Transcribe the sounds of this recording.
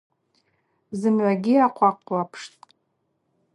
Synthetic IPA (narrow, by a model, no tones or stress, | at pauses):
zɨmʕʷaɡʲiaqʷʰaqʷʼlapʰʂtʼ